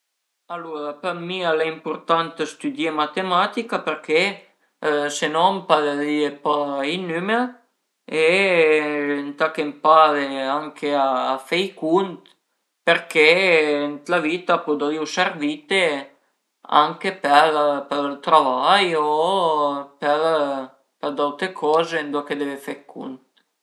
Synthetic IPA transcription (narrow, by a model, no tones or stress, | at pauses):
aluɾapəmialaimpuɾt̪ant̪əst̪yd̪jemat̪emat̪ikapeɾke | senɔmpaðeðiepainyme | e | nt̪akempaðeaŋkʰeaːfejkunt̪ | peɾkent̪lavit̪apod̪aiusɛɾvit̪e | a̰ŋkepɛɾpeɾlt̪ɾavajo | pɛl | pɛɾd̪awt̪ekʰɔːzend̪uaked̪ɛvefɛkʰṵnt̪̚